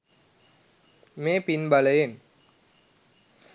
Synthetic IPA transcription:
meːpinbaləjen

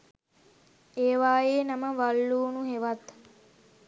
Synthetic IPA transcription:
eːʋaːjeːnɐməʋalːuːnuɦeʋat̪

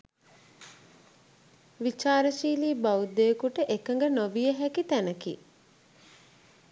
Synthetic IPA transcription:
ʋit͡ʃaːɾəʃiːliːbaud̪ekuʈəʔekəŋɡənoʋijəɦækit̪ænəkḭ

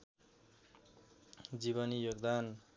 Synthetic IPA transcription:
d͡ziβʌnijoɡd̪an

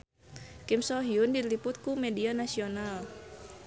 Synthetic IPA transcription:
kimsɔɦiundilipʊt̪̚kumɛdianasional

